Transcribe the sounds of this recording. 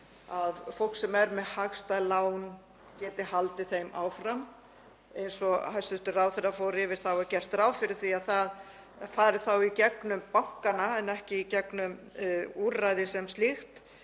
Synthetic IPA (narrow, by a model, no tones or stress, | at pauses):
aðfowl̥ksɛmɛɾmɛhaxst̪alaːwn | cɛːt̪ɪhalt̪ɪθejma̰ːwfɾam | ejnsɔhajst̪ʏst̪ʏrawθɛɾafoːɾɪvɪɾ̥θawɛɾcɛr̥t̪ɾaːwfɪɾɪ̥θviaðθað | faːɾɪ̥θawicɛknʏmpawhkanaɛnɛhcɪicɛknʏmuɾrajðɪsɛmst̪ixt̪